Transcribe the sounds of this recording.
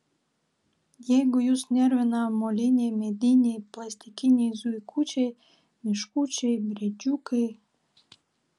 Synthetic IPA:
jeɡujusnʲervenɑmolʲinʲemed̪inʲejplɑsʲt̪ʲikinʲezuikʰut͡ɕej | mʲiʃkut͡ɕejbɾʲid͡ʑukej

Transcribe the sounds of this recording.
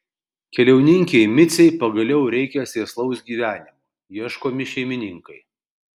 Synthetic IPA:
kʲɛlʲɛʊnʲɪŋʲkʲeɪmʲɪt̪sʲɛɪpɐɡɐlʲɛʊɾʲɛɪkʲɛsʲeːslˠɐʊsɡʲiːʋʲæːnʲɪmɐ | jiɛʃkoːmʲɪʃʲɛɪmʲɪnʲɪŋkɐɪ

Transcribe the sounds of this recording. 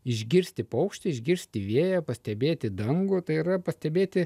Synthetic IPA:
ɪʒʲɡʲɪɾʲsʲt̪ʲɪpɐʊkʃʲt̪ʲɪɪʒʲɡʲɪɾʲsʲt̪ʲɪʋʲiɛjɛpɐsʲt̪ʲɛbʲeːt̪ʲɪd̪ɐŋɡʊt̪ɐɪiɾɐpɐsʲt̪ʲɛbʲeːt̪ʲɪ

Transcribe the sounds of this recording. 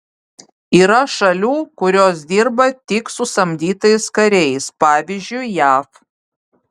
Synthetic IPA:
iːɾɐʃɐlʲuːkʊɾʲoːs̬d̪ʲiːɾbɐt̪ʲɪksʊsɐmʲd̪ʲiːt̪ɐɪskɐɾʲɛjspɑːʋʲiːzʲd͡ʒʲʊɪjæːf

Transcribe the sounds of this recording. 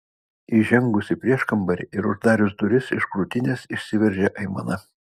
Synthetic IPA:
iʒʲɛŋɡʊsʲɪpʲɾʲiɛʃkɐmbɐɾʲɪɪɾʊʒd̪ɑːɾʲʊsd̪ʊɾʲɪsɪʃkɾuːt̪ʲɪnʲeːsɪʃʲsʲɪʋʲɛɾʲʒʲɛʔɐɪmɐ̰nɐ

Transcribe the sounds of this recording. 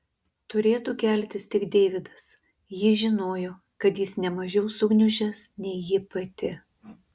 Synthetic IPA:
t̪ʊɾʲeːt̪uːkʲɛlʲt̪ʲɪst̪ʲɪɡd̪ʲeːʋʲɪd̪ɐs | jɪʒʲɪnoːjoː | kɐt̪jɪsnʲɛmɐʒʲɛʊsʊɡnʲʊʒʲɛsnʲɛɪjɪpɐt̪ʲɪ

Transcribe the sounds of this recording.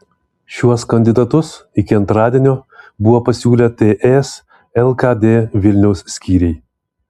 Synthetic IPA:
ʃʲuɔskɐnʲd̪ʲɪd̪ɐt̪ʊsɪkʲɪɐnt̪ɾɑːd̪ʲiɛnʲoːbʊʋoːpɐsʲuːlʲɛt̪ʲeːʔɛs | ɛlˠkɑd̪ʲeːʋʲɪlʲnʲɛʊsːʲkʲiːɾʲɛɪ

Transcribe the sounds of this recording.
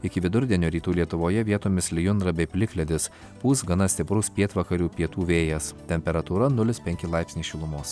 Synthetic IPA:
ɪkʲɪʋʲɪd̪ʊɾʲd̪ʲiɛnʲoːɾʲiːt̪uːlʲiɛt̪ʊʋoːjɛʋʲiɛt̪oːmʲɪslʲɪjʊnd̪ɾɐbʲɛɪpʲlʲɪklʲɛd̪ʲɪs | puːsɡɐnɐsʲt̪ʲɪpɾʊspʲiɛt̪ʋɐkɐɾʲuːpʲiɛt̪uːʋʲeːjɛst̪ʲɛmʲpʲɛɾɐt̪uːɾɐnʊlʲɪspʲɛŋʲkʲɪlˠɐɪpʲsʲnʲiːʃʲɪlˠʊmoːs

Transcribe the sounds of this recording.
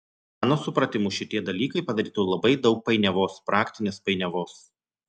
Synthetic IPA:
mɑːnoːsʊpɾɐt̪ʲɪmʊʃʲɪt̪ʲiɛd̪ɐlʲiːkɐɪpɐd̪ɐɾʲiːt̪ɐlˠɐbɐɪd̪ɒʊk̚pɐɪnʲɛʋoːspɾɑːkt̪ʲɪnʲeːspɐɪnʲɛʋoːs

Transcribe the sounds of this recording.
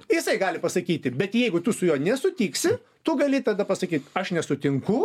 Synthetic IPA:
jɪsɐɪɡɑːlʲɪpɐsɐkʲiːt̪ʲɪbʲɛt̪jɛɪɡʊt̪ʊsʊjoːnʲɛsʊt̪ʲiːksʲɪ | t̪ʊɡɐlʲɪt̪ɐd̪ɐpɐsɐkʲiːt̪ɐʃnʲɛsʊt̪ʲɪŋkʊ

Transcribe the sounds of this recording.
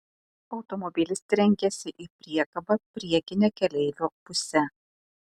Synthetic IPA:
ɒʊt̪ɔmɔbʲɪlʲɪsʲt̪ʲɾʲɛŋʲɡʲɛsʲɪʔiːpʲɾʲiɛkɐbɐpʲɾʲiɛkʲɪnʲɛkʲɛlʲɛɪlʲoːpʊsʲɛ

